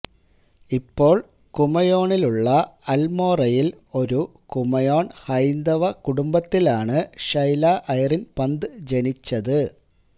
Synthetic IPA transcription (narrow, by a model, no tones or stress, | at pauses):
ipːo̞ːɭ | kumɐjo̞ːɳiluɭːɐɐlmo̞ːrɐjil | o̞ɾu | kumɐjo̞ːɳhɐjnd̪ɐʋɐkuɽumbɐt̪ːilaːɳɨʂɐjlaːʔɐjɐrinpɐnd̪ɨd͡ʑe̞nit͡ɕːɐðɨ